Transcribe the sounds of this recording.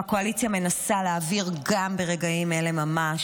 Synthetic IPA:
ako̞alit͡sjame̞nasaleːviʁɡambe̞ʁe̞ɡaime̞le̞mama

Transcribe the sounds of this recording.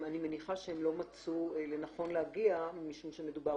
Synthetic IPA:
anime̞niχaʃehemlo̞mat͡suele̞naχo̞nleaɡiamiʃumʃe̞me̞d̪uba

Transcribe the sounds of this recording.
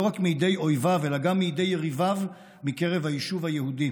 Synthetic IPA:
oʁakmiid̪e̞jo̞jvave̞laɡamːiid̪ejʁivav | mike̞ʁevhajiʃuvhajehud̪i

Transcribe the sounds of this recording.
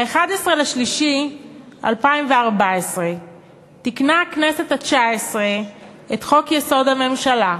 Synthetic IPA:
aeχadesʁelaʃliʃi | a̰lpaimveaʁbaesʁe̞ | tiknaknese̞tat͡ʃaesʁe̞ | etχo̞kjeso̞dhame̞mʃala

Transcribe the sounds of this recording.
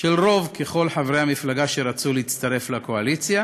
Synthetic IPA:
ʃelʁo̞vke̞χo̞lħavɾehamiflaɡaʃe̞ʁat͡suleit͡st̪aʁe̞flakoalit͡sja

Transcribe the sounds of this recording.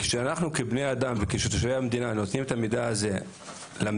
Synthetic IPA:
ke̥ʃeanaχnukebne̞jad̪amvekeʃet̪oʃveamed̪inanot̪nimet̪amid̪aaze̞ | lam

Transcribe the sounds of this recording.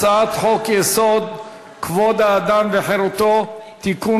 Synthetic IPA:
at̪hɔkesɔd̪̚ | kʰvɔd̪ad̪amveħeɾut̪ɔt̪iku

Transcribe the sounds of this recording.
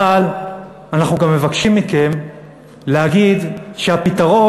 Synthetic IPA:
al | anaχnuɡamːevakʃimːike̞m | leaɡid̪ʃeapitaʁo̞

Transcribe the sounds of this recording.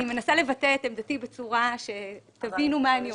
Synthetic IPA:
ime̞nasale̞vatetemd̪at̪ibet͡suʁaʃe̞t̪avinumaːni

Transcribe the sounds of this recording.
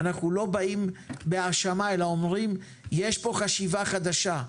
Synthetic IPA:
naχnulo̞baimbeaʁʃamaelaomʁim | jeʃpo̞χaʃivaχad̪aʃa

